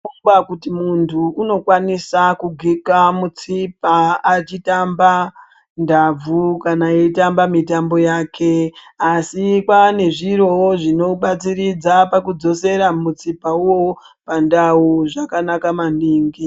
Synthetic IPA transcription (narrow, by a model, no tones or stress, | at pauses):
akutimuntʰuːno̞kwanisakuɡʱikamut͡sipaːt͡ʃitamba | ndab͡vukanaiitambamitambo̞jaːkʰe̞asikwane̞ʐiɾo̞woʐino̞ɓat͡siɾid͡zapakud͡zo̞se̞ɾamut͡sipauwo̞ | pandauʐakanakamandiːŋɡi